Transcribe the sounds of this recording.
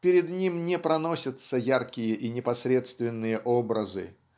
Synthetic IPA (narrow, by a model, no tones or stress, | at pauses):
pʲɪɾʲɪd̪nʲimnʲɛpɾɐnosʲət̪səjarkʲɪjəʔinʲɪpɐsɾʲet̪st̪vʲɪnːɨjəʔobɾəzɨ̰